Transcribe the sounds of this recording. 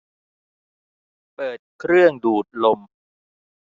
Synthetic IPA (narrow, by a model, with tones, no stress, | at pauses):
pɤː˨˩t̪̚kʰɾɯ˥˩əŋduː˨˩t̪̚lo˧m